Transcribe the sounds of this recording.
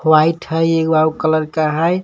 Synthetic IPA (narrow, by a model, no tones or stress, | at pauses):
wajʈʰəjeɡbaukələɾkaɦəj